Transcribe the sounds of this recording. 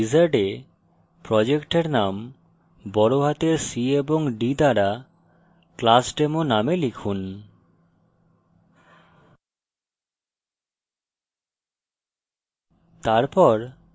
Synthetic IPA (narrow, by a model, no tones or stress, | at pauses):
izaɾɖe | pɾɔd͡ʑekʈeɾnam | bɔɾoɦat̪eɾsieboŋɖid̪aɾa | klasʈemonamelikʰun | t̪aɾpɔɾ